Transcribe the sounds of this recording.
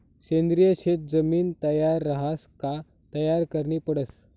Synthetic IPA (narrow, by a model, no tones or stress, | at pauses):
ɕẽnd̪ɾijəɕet̪̚d͡zəmiːnt̪əjaɾːəɦaska | t̪əjaɾkəɾɳiːpəɽəs